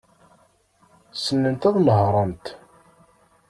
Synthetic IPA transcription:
sənːənt̪æðˤnəɦɾˤənt̪

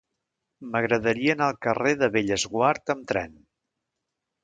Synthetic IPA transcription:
məɣɾəðəɾiəːnalˠkəreðəβeʎəzɣwaɾt̪əmt̪ɾɛ̰n

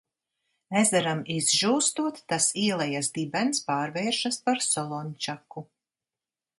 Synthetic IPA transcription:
ɛzɛɾamizʒuːst̪uɔt̪ːasiːɛlˠɛjasd̪ibɛnspaːɾvɛːɾʃaspaɾsɔlˠɔnt͡ʃaku

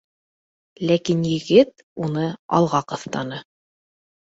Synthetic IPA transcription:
lækinjɘ̆ɡɘt̪ | unɤɑ̰lˠʁɑqɤ̆θt̪ɑnɤ

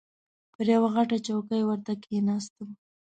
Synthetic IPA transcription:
pəɾjawaɣaʈat͡ʃawkajwəɾt̪akeenɑs̬t̪əm

